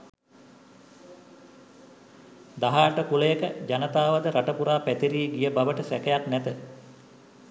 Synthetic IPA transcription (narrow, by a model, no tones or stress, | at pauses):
d̪aɦaːʈəkuləjəkəd͡ʒanət̪aːʋəd̪əɾaʈəpuɾaːpæt̪iɾiːɡijəbaʋəʈəsækəjaknæt̪ə